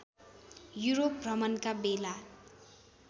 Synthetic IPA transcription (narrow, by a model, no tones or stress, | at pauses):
juɾoprʌmʌnkabela